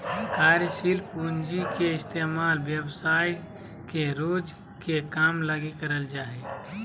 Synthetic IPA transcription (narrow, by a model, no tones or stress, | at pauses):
kaːɾjəʃilpund͡ʒikeɪst̪eːmaːlʋjəwsaːi | keɾoːd͡ʒ | kekaːmləɡikəɾəld͡ʒaːe